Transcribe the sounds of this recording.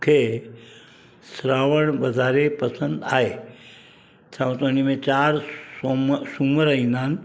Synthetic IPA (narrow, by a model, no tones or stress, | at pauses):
kʰe | sɾaːʋəɳbɐzaːɾepəsə̃nd̪aːɦe | t̪ʰãt̪ənimẽt͡ʃaːɾ | suməɾəĩnaːn